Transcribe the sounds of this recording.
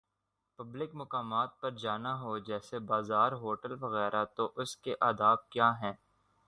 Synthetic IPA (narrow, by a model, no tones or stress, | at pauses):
pɐblɪkmʊkaːmaːt̪̚pɐɾd͡ʒaːnaɦod͡ʒɛːsebaːzaːɾɦoːʈəlʋɐɣɛːɾʔat̪oʔʊskeʔaːd̪aːb̚kjaːɦɛ̃ː